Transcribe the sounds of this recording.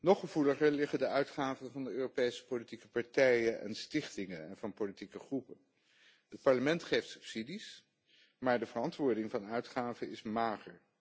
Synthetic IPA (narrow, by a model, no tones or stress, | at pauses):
nɔχːəv̥uləχəɹlɪχədəʔœɥtχaːvənvɑndəøːropejsə̥politikəpɑɹtɛjənʔɛ̰nstɪχtɪŋənɛ̰nvɑnpolitikəχrupən | ət̚pɑɹləmɛntχejftsɵ̥psidis | maːɹdəvərɑntʋʊːɹdɪŋvɑnœɥtχaːvəɪsmaːχəɹ